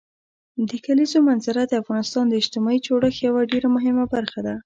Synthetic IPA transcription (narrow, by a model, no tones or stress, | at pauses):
d̪əkalizomanzaɾad̪əafɣɑnɪst̪ɑnd̪əɪʃt̪ɪmɑit͡ʃoɽəxjawaɖeɾamʊɦɪmabaɾxad̪a